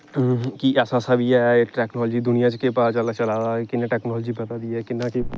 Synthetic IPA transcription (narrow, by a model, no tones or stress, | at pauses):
kiʔɛːsaːsabʱiɛʈɛːknɔːld͡ʒiːd̪ʊnijãt͡ʃkepaːt͡ʃəlat͡ʃəlaːdakɪnãʈɛːknɔːld͡ʒibət̪ad̪iɛːkɪnaːki